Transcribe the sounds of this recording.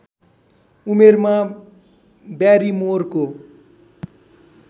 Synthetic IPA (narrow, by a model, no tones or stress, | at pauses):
umerma | bjaɾimorko